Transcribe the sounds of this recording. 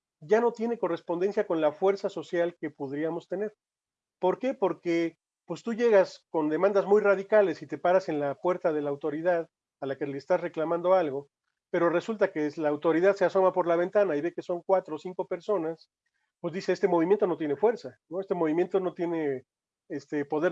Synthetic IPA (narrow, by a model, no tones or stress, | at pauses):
ɟ͡ʝano̞t̪je̞ne̞ko̞re̞spo̞nd̪e̞nsjako̞nlafwe̞ɾsaso̞sjalke̞poðɾiamo̞st̪e̞ne̞ɾ | po̞ɾke̞po̞ɾke | pwe̞st̪uʝe̞ɣasko̞nd̪e̞mãnd̪azmujraðikale̞sit̪e̞paɾase̞nlapwe̞ɾt̪aðe̞laːwt̪o̞ɾiðað | alakeleːst̪asreklamãnd̪o̞alɣo̞ | pe̞ɾo̞re̞sult̪ake̞laːwt̪o̞ɾiðaðse̞aso̞mapo̞ɾlaβ̞e̞nt̪anaiβe̞ke̞so̞ŋkwat̪ɾosiŋko̞pe̞ɾso̞nas | pwezðise̞est̪e̞mo̞β̞imjent̪o̞no̞t̪je̞ne̞fwe̞ɾsano̞est̪emo̞β̞imje̞nt̪o̞no̞t̪je̞ne̞ | est̪e̞po̞ðeɾ